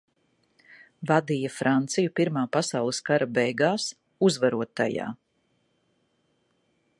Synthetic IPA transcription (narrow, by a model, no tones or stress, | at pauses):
vad̪ijɐfɾant̪sijupiɾmaːpasawlˠɨskaɾabɛjɡaːs | uzvaɾuɔt̪a̰ja̰ː